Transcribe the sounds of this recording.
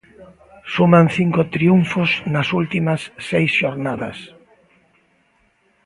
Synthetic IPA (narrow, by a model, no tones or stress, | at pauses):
sumanθiŋkot̪ɾiuɱfosnɐsult̪imɐsːejsʃoɾnaðɐ̰s